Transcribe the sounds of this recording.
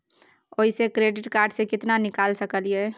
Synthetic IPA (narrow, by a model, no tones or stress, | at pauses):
oːisekɾeːɖɪʈkaːɾɖsekɪt̪nanɪkaːlsəkəliɛː